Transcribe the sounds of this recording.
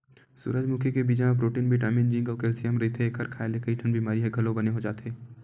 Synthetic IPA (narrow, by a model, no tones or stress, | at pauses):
sʊ̰ɾəd͡ʒmukʰekebiːd͡ʒãpɾoːʈiːnbʱiʈaːmiːnd͡ʒɪ̃ŋɡɔːkeːlsijəmɾɐɦet̪ʰeːkɦɐɾkʰaːelekɐiʈʰɐnbiːmaːɾiɦɛɡʱɐlõbɐneɦod͡ʒa̰ːt̪eː